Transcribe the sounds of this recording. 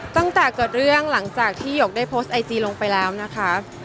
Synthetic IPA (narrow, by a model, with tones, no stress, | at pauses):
t̪a˥˩ŋt̪ɛː˨˩kɤː˨˩t̪̚ɾɯ˥˩əŋla˩˦ŋt͡ɕaː˨˩k̚t̪ʰiː˥˩joː˨˩k̚daː˥˩jpʰoː˦˥st̪̚ʔa˧jt̪iː˧lo˧ŋpa˧jlɛː˦˥wna˦˥kʰa˦˥